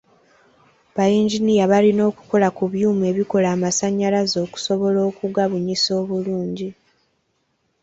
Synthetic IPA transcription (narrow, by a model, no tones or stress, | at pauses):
βajiːɲɟinijaβalino̞ːku̥ko̞lakuβjuːmue̞ːβiko̞laːmasaɲːalazo̞ːku̥so̞βo̞lo̞ːkuɡaβuɲiso̞ːβuluːɲɟi